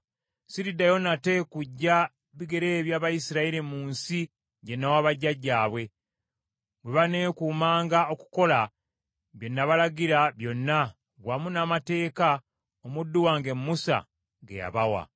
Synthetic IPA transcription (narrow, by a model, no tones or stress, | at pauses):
siɾidajo̞nate̞kuɟːa | βiɡe̞ɾe̞ːβjaːβajisiɾaiɾimuːnsi | ɟenːawaβaɟːaɟːaːβwe̞ | weβane̞ːkuːmaːŋɡao̞ku̥ko̞la | βjo̞nːaβalaɡiɾaβjo̞nːa | βwamunaːmate̞ːka | omudːuwaːŋɡe̞mːusa̰ | ɡḛja̰βawa̰